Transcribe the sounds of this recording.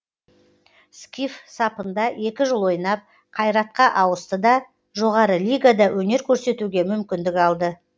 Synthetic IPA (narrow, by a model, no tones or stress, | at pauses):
skʲifsɑpənd̪ɑʔe̞kʲɪʒəlˠwo̞jnɑp̚ | qʰɑjɾɑt̪̚qɑʔɑwəst̪əd̪ɑ | ʒo̞ʁɑɾəlʲijɡad̪ɑwʔɵne̞ɾkʲʰɵɾse̞t̪uɡʲe̞mʏmkʲɪnd̪ɪkɑlˠd̪ə